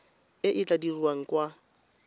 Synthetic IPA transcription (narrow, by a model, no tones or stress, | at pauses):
ɪʔɪt͡ɬʼadiriwaŋ̩kwa